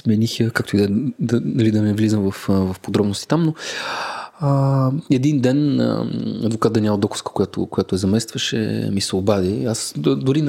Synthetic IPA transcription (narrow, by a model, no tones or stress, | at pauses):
smɛnixəkak̚t̪oid̪ɛd̪ɐɐlid̪ɐnɛvlizəmvɐfvɐfpod̪ɾɔbnʊst̪i̥t̪amno | əɛd̪ind̪ɛn̰ɐd̪vokat̪̚d̪ɐnʲamɐd̪ɔkʊ̥skə̥kʊjat̪oʊ̰koʊjat̪ʊɛzɐmɛst̪vɐʃɛ̰misɛobad̪iasd̪ʊɾin